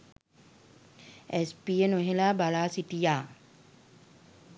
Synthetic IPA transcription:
espienoɦelaːbalaːsiʈijaː

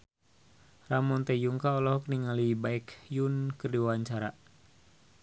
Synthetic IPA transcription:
ramɔnt̪ɛjuŋkaɔlɔɦɔk̚niŋalibaɛkjunkɨrdiwawaɲt͡ʃaɾa

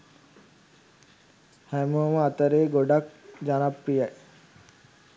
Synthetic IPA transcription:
hæmuməat̪əɾeːɡoɖak̚d͡ʒanapɾijɛʔ

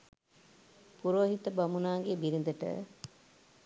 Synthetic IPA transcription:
puɾoɐɦit̪əbɐmunaːŋɡebiɾind̪əʈə̰

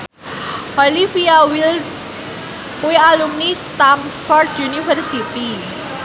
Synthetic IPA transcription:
ɔlifiawil | pujalumnist̪amfɔrdjunivərsit̪i

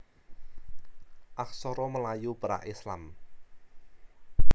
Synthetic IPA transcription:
ʔak̚sɔɾoməlajupəɾa̰ʔisla̰m

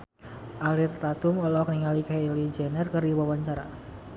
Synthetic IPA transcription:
ʔalirt̪at̪ʊmɔlɔkəniŋalikalid͡ʒɛnɛrkɨrdiwawaɲt͡ʃaɾa̰

